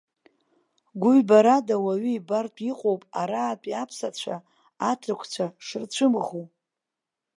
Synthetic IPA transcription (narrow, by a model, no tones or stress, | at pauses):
ɡʷʊɥbaɾadawaɥiibartʼiqʼowpʼaɾaːpʼiapʰsat͡ɕʷʰa | atʰrɨkʷʰt͡ɕʷʰaʂɨrt͡ɕʷʰɨmʁu